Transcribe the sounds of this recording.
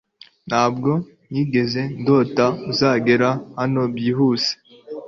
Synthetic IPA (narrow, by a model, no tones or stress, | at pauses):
n̥haːb̚ɡo̞ | niːɡe̞ze̞ndo̞ːtauzaːɡe̞ɾahano̞bjiːɦuːse̥